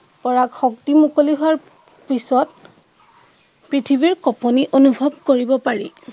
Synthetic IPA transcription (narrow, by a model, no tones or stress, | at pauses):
pɔɹakxɔktimukoliɦʊaɹ | pisɔt̚ | pɹitʰibiɹkɔpɔniʔonubʱɔb̚koɹibɔpaɹi